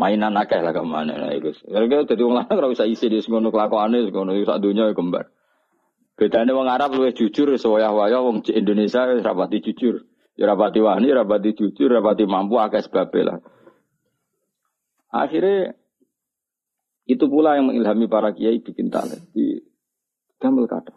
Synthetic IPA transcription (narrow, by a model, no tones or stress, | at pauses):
mainanakɛhlahkama̰nɛ̰na̰ḭkusɾkid̪̥a̤t̪iwɔŋlanakɾawisaisɪnʊsəŋɡonokəlakɔanesŋɡonosa̰d̪uɲɔɡəmba̰r | b̥ed̪anewɔŋaɾap̚luwɪsʒ̥u̥d͡ʒ̥ʊrsəwɔjahwajɔwɔŋd͡ʒiind̪onesiaɾa̰pat̪i̥d͡ʒ̥u̥d͡ʒ̥ʊr | jɾapat̪iwanijɾapat̪i̥d͡ʒ̥u̥d͡ʒ̥ʊrrapat̪imampuakɛsə̥b̥a̤b̥ɛla̰h | ʔa̰xiɾe | it̪upulajaŋmŋilɦamipaɾakijaid̪̥i̤kint̪a̰lḛd̪ḭ | ɡ̪̥aməlka̰t̪ḁ